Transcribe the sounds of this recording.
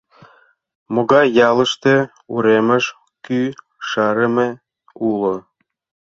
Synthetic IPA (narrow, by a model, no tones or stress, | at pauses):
moɣɑjjɑlə̆ʃt̪e | ṵɾemə̆ʃ | ky | ʃɑɾəme | ulo